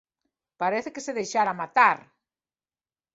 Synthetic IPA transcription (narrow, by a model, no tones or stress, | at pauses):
paɾeθɪkeseðejʃaɾamat̪aɾ